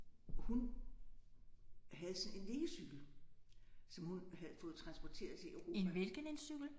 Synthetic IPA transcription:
hun | ɦæð̞̩ˠsɒ̽ne̝nle̝ːəsyɡ̥l̩ | sɒ̽mhunɦæð̩ˠfɔ̽ːð̞̩ˠt͡sʰʁɑ̈nsb̥ɒt͡sʰe̝̰ːɐðˠt͡sʰe̝eʊʁo̝ːenʋelɡ̥ənensyɡ̥l̩

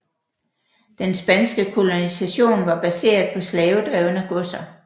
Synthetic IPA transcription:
d̥ensb̥ænsɡ̥əkʰo̝lo̝nisæɕo̝̰ːnʋɑ̈b̥æse̝̰ːɐðˠpʰɒ̽slɛːʊd̥ʁɛʊnæɡ̥ɔsɐ

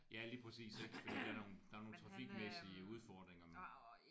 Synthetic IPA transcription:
jæliːpʰʁɛsḭːse̝ɡ̥ə̥fɒ̽d̥ḭːd̥ɑæɐno̝ːnd̥ɑ̈æɐno̝ːn̩t͡sʰʁɑ̈fiɡ̥mesiəuð̞ˠfɒd̥ʁeŋɐmen

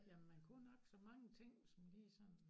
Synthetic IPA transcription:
jæmːænkʰunɒ̽ɡ̥sɒ̽mɑ̈ŋət͡sʰe̝ŋ̰sɒ̽mliːsɒ̽n

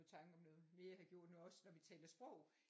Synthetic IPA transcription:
ð̩ˠt͡sʰɑ̈ŋɡ̥əɒ̽mnɔ̽ːð̩ˠme̝ːɐhæɡ̥jo̝ɐ̰d̥nuɒ̽snɒʋit͡sʰɛ̰ːlɐsb̥ʁɔ̽ʊ̰

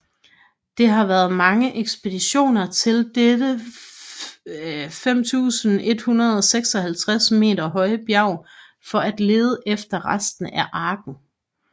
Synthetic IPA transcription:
d̥e̝ɦɑ̈ʋæːɐð̞̩ˠmɑ̈ŋəʔeɡ̥sb̥e̝d̥iɕo̝̰ːnɐt͡sʰe̝ld̥ed̥ə | fem̰t͡sʰṵːsn̩e̝d̥hunɐð̞ˠɒ̽seɡ̥sɒ̽hælt͡sʰʁasme̝̰ːɾɐɦɒ̽ɪəb̥jɑ̈ʊ̰ | fɒ̽æd̥le̝ːð̞ˠəʔefd̥ɐʁasd̥n̩æʔɑ̈ːɡ̥n̩

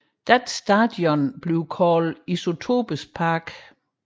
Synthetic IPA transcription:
d̥æd̥sd̥æd̥jɔnb̥le̝ʊkʰɒːliso̝t͡sʰo̝̰b̥əspʰɑ̈ːɡ̥

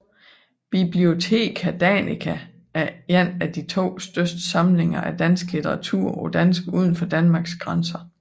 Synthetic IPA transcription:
b̥ib̥lio̝t͡sʰe̝̰ːkʰæd̥ænikʰæ | æɐenæd̥it͡sʰo̝̰ːsd̥øsd̥sɑ̈mle̝ŋɐʔæd̥ænsɡ̥lit͡sʰeʁɑ̈t͡sʰuɐ̰ɒ̽d̥ænsɡ̥uð̞ˠən̩fɒ̽d̥ænmɑ̈ːɡ̥sɡ̥ʁɑnsɐ

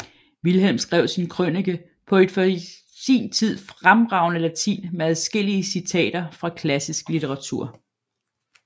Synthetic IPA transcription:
ʋilɦelmsɡ̥ʁɛʊsinkʰʁøniɡ̥ə | pʰɒ̽e̝d̥fɒ | sḭːnt͡sʰið̞̰ˠfʁamʁɑ̈ʊnəlæt͡sʰḭːnmeæðˠsɡ̥e̝l̰iəsit͡sʰɛ̰ːd̥ɐfʁɑ̈kʰlæsisɡ̥lit͡sʰeʁɑ̈t͡sʰṵɐ̰

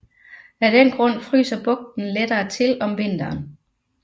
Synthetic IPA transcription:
æd̥enɡ̥ʁɔ̽n̰fʁy̰ːsɐb̥ɔ̽ɡ̥̚d̥n̩led̥ɐːt͡sʰe̝lɒ̽mʋe̝n̰d̥ɐːn

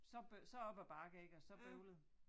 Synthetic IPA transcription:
sɒ̽b̥øsɒ̽ɒ̽b̥æb̥ɑ̈ːɡ̥əeɡ̥əɒ̽sɒ̽b̥øʊlð̩ˠ

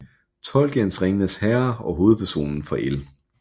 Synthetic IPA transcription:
t͡sʰɒ̽lɡ̥ensʁeŋənəshɛɐɒ̽ɦo̝ːð̞̩ˠpʰæɐso̝̰ːnn̩fɒʔel

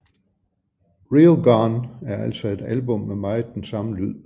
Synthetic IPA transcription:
ʁilɡ̥ɒnæɐæl̰sɒ̽e̝d̥ælbɔ̽mːemɑ̈ɪd̥ensɑ̈məlyð̰ˠ

